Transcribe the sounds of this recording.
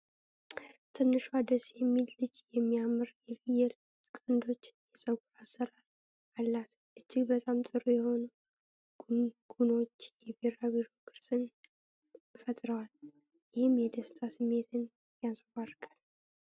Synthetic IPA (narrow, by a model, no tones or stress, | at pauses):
t̪ʰɨnːɨʃad̪əsjɛmːilːɨd͡ʒjɛmːijamɨɾjɛvijɛl | kʼənd̪o̞t͡ʃːjɛsʼəɡuɾasːəɾaɾ | alːat̪ | ʔɨd͡ʒːɪɡbət̪ʼamt̪ʼɨɾujɛho̞nu | ɡ̥uno̞t͡ʃːjɛbiɾabiɾo̞kɨɾsʼɨn | fət̪ʼɾəwal | jɪhɪmjɛd̪əst̪ʰasɨmːe̞t̪ʰɨn | jasʼəwarkʼal